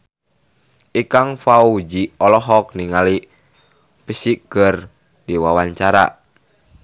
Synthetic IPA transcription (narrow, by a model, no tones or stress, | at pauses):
ʔikaŋfaud͡ʒiɔlɔɦɔk̚niŋali | pəsikər | diwawaɲt͡ʃaɾa̰